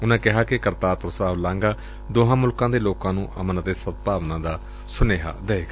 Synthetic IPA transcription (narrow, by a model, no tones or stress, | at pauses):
ʊnãːkɪɦaːkɪkəɾt̪aːɾpɾosaːʋlãːŋɡaː | d̪oːɦãːmʊlkãːd̪eːloːkãːnũːʔəmənət̪eːsət̪̚paːʋnãːd̪aː | sʊneːɦa̰ːd̪eeːɡ